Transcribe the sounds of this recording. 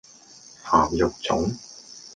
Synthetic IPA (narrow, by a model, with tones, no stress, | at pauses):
haː˨˩mjʊ˨k̚t͡sʊ̰˨˥ŋ